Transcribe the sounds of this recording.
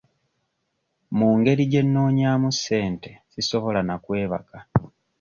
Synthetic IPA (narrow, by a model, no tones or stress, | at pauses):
muːŋɡe̞ɾiɟe̞nːoːɲaːmusːe̞ːnte̞siso̞βo̞lanakwe̞ːβa̰ka